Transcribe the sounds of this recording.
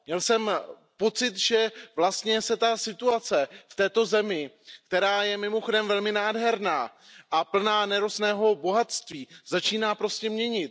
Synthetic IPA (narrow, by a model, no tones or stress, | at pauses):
mɲɛlsɛm | po̞t͡sɪt̪ʒɛvlast̪ɲɛsɛt̪asɪt̪uat͡sɛft̪ɛːt̪o̞zɛmɪ | k̚t̪ɛɾaːjɛmɪmo̞xodɛmvɛlmɪnaːdɦɛɾnaː | ʔapl̩naːnɛɾosnɛːɦo̞bo̞ɦat̪st̪viːz̥at͡ʃiːnaːpɾo̞scɛmɲɛɲɪt̪̚